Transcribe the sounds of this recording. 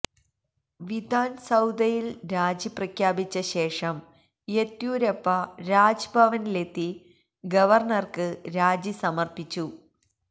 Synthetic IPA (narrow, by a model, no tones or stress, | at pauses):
ʋid̪ʱaːnsɐwd̪ɐjilɾaːd͡ʑiprɐkʰjaːbit͡ɕːɐɕe̞ːʂɐm | jet̪juːɾɐpːɐɾaːd͡ʑbʱɐʋɐnile̞t̪ːi | ɡɐʋɐrɳɐrkɨɾaːd͡ʑisɐmɐrpit͡ɕːu